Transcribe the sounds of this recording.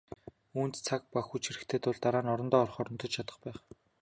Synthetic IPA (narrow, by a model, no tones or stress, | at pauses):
uːnt̪t͡sʰak̚paxujt͡ɕʰxiɾɘ̆kt̪ʰeːt̪ʊɮt̪aɾaːnɔɾɞ̆nt̪ɔːɔrχɔɾɞ̆nt̪ɞ̆t͡ɕt͡ɕʰat̪ə̥̆χpæːχ